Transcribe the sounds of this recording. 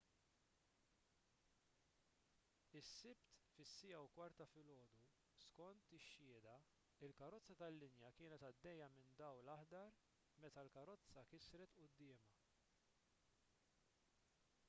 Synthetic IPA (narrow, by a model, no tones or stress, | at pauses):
ɪsːɪpt̪fɪsːɪjɐwkwɐɾt̪ɐfɪlɔːd̪u | skɔnt̪ɪʃːɪːd̪ɐ | ɪlkɐɾɔt͡sːɐt̪ɐlːɪnjɐkɪːnɛt̪ɐd̪ːɛjːɐmɪnd̪ɐwlɐħd̪ɐɾ | mɛt̪ɐlkɐɾɔt͡sːɐkɪsɾɛt̪ʔʊd̪ːɪːmɐ